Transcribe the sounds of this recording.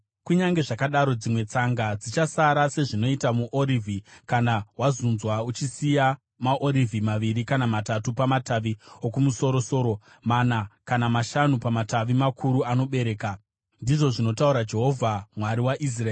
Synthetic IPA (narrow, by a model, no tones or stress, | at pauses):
kuɲaŋɡe̞ʐakaɗaɾo̞d͡zimwe̞t͡saŋɡad͡zit͡ʃasaɾase̞ʐino̞itamuʔoɾivʱikanaɦwazunzwaut͡ʃisija | maʔoɾivʱimaʋiɾikanamatatupamataʋiokumuso̞ɾo̞so̞ːɾo̞ | manakanamaʃanupamataʋimakʰuɾuano̞ɓe̞ɾe̞ːka | ndiʐo̞ʐino̞tauɾad͡ʒe̞ɦo̞vʱamwaɾiwaʔis̬raeː